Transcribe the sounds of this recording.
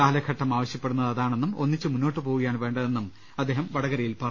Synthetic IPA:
aːlɐkʰɐʈːɐmaːʋɐɕjɐpːe̞ɽunːɐðɐðaːɳe̞nːumo̞nːit͡ɕːɨmunːo̞ːʈːɨpo̞ːɣuɣɐjaːnʋe̞ːɳɖɐðe̞nːum | ɐd̪ːe̞ːɦɐmʋɐɽɐɣɐɾɐjilpɐrɐ

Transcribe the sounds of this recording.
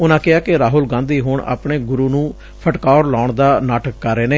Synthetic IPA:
ʊnãːkɪaːkɪɾaːɦʊlɡãːnd̪iːɦʊɳa̰ːpɳeːɡʊɾuːnũː | pʰəʈkaːɾlaːʊɳd̪aːnaːʈəkːəɾːeːneː

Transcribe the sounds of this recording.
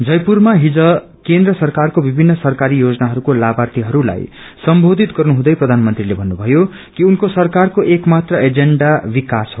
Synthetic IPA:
d͡zʌjpurmaɦid͡zʌ | kẽnd̪rʌsʌrkarkobibʱinːʌsʌrkaɾijod͡zʌnaɦʌɾukolabart̪iɦʌɾula̰j | sʌmbʱod̪ʱit̪ɡʌrnuɦũd̪ʌjprʌd̪ʱanmʌnt̪rilebʱʌnːubʱʌjo | kiunkosʌrkarkoʔekmat̪rʌʔed͡zeɳɖabikasɦo

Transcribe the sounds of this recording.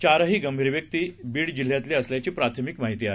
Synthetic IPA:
t͡ɕaɾɦiːɡəmbʱiɾʋjək̚t̪iːbiːɽd͡ʑil̤jat̪leəsljat͡ɕiːpɾat̪ʰəmikmaɦit̪iːaɦe

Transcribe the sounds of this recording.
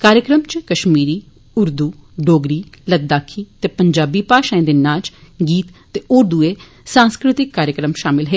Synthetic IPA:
kaːɾjəkɾəmt͡ʃkəʃmiːɾiː | ʊɾd̪uːɖoːɡɾiːləɡ̚d̪aːkʰiːt̪eːpəɲd͡ʒaːbiːpaːʃãẽd̪ɪːnãːt͡ʃɡiːt̪t̪eːʊɾd̪uːeː | sãːnskɾɪt̪ɪkːaːɾjəkɾəmʃaːmɪlɦeː

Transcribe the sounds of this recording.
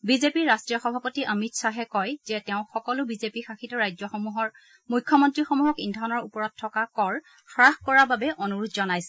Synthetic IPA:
bizepiɹɹastɹijɔxɔbʱapɔtiʔəmitsaɦɛkɔjzɛtɛʊ̃xɔkɔlʊbizepixaxitɔɹajzɔxɔmuɦɔɹ | mujkʰːjɔmɔntɹixɔmuɦɔkindʱɔnɔɹupɔɹɔt̚tʰːɔkakɔɹ | xɹaxkɔɹababɛʔɔnuɹudʰʱzɔnajsɛ̥

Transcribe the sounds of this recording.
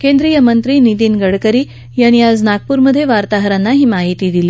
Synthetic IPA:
kend̪ɾijəmənt̪ɾiːnit̪iːnɡəɽkəɾiː | jañiad͡znak̚puːɾməd̪ʱjeʋaɾt̪aɦəɾanːaɦiːmaɦit̪iːd̪iliː

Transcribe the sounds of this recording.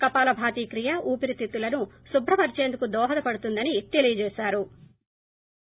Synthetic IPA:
kɐpaːlɐbʱaːt̪iːkɾijɐʔuːpiɾit̪it̪ːulɐnusubʱɾɐpɐɾit͡ʃeːnd̪ukud̪ɔːɦɐd̪ɐpɐɽut̪und̪ɐnit̪elijɐd͡ʒɛːʃaːɾu

